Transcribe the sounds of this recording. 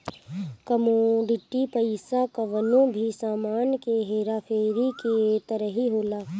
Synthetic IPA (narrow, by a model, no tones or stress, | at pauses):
kəmoɖɪʈːipəɪsakɐʋənõbʱisaːmaːnkeɦeːɾaːfʰeːɾiket̪əɾəɦiɦoːlaː